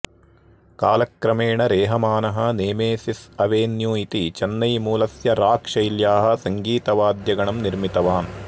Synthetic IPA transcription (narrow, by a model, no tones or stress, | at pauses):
kaːlɐkɾɐmeːɳɐɾeːɦɐmaːnɐɦɐneːmeːsisɐʋeːnjuːit̪it͡ʃɐnːɐjmuːlɐsjɐɾaːkʂɐjljaːɦɐ̆sɐŋɡiːt̪ɐʋaːd̪jɐɡɐɳɐmniɾmit̪ɐʋaːn